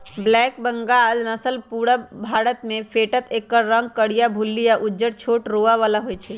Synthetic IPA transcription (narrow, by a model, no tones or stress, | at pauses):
blɛk̚bəŋɡaːlnəsəlpuɽəbʱaɽət̪mẽpʰeʈət̪ekːəɾːəŋɡ̚kəɽijabʱulːijaʔud͡ʒəɽt͡ʃʰoːʈɾoʋaʋalaɦojt͡ʃʰɛ